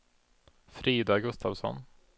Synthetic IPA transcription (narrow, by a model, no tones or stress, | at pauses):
fɾiːd̪aɡɵst̪avsɔ̰n